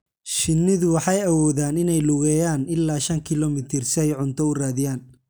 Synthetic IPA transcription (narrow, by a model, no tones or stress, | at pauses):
ʃɪnːɪðʊwɑħɑjɐwɔːðaːnɪnɛjlʊɣɛːjaːnɪlːaːʃɐŋkʰɪlɔmɪt̪ʰɪrsɪɛjʕʊnt̪ʰɔʊraːðɪjaːn